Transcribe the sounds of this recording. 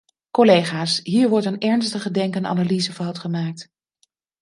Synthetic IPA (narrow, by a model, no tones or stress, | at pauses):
kolejχaːsɦiːɹʋɔɹtənɛɹnstəχədɛŋkəna̰naliːzəvɑwˠtχəmaːk̚t